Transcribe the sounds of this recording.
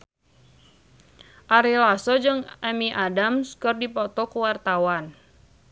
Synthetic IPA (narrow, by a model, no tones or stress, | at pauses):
ʔaɾilasɔd͡ʒɨŋɛmiʔadamskɨrdipɔt̪ɔkuwart̪awan